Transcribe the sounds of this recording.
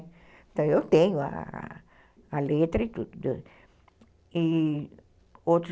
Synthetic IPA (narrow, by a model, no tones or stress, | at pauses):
ẽt̪ɐ̃w̃ewt̪ẽɲʊa̰ | alet̪ɾɐit̪ud̪ʊd̪e | i | ot̪ɾʊ